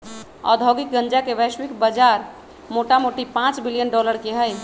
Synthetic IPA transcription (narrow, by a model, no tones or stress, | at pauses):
ə̰d̪ʱoɡik̚ɡə̃nd͡ʒakeʋəjʃwikbəd͡ʒaɾ | moʈamoʈipãt͡ʃbilijənɖɔləɾkeɦəj